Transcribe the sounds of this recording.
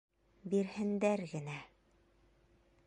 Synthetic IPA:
biɾhɘ̆nd̪æɾɡɘ̆næ

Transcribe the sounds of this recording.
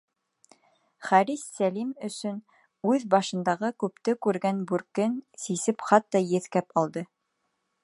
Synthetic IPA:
χæɾisːælimɵ̆sɵn | ʉðbɑʃɤ̆nd̪ɑʁɤkʉpt̪ɘkʉɾɡænbʉɾkɘnsisɘpχɑt̪ːɑjɘ̆θkæpɑlˠd̪ɤ

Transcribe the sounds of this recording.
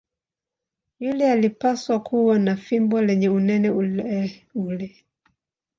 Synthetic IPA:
julɛalipaswakuwanafimbɔlɛɲɛunɛnɛɛulɛ

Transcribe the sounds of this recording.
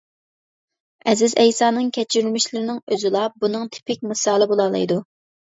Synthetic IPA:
ɛzɪzɛjsɑːnɨŋkʲʰɛt͡ʃʰyɾylmɪʃlɪɾɪnɪŋøzɪlˠɑbunɨŋt̪ʰɪ̥pʰɪk̚ʲmɨsɑːlˠɨbolˠɑlˠɨ̰jd̪u

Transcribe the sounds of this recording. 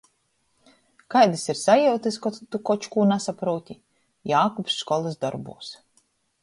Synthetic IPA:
kajd̪ɨsiɾsajɛwt̪ɨskɔt̪ukɔt͡ʃkuːnasapɾuɔt̪ʲi | jaːkupsːkɔlˠɨsd̪ɔ̰ɾbṵːs

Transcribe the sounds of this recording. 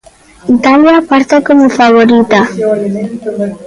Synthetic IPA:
it̪aljapaɾt̪akomufaβoɾit̪a

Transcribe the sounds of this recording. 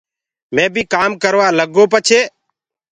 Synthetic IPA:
mẽːbʱiːkaːmkəɾʋaːləɡoːpət͡ʃʰeː

